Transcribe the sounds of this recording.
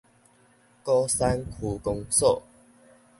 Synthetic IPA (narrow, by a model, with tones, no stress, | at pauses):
kɔ˦sa˦nkʰu˨˧kʊ˧ŋso˥˨